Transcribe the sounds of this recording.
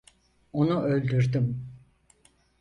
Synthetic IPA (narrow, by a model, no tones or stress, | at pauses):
o̞nuʔø̞lʲd̪yɾd̪ym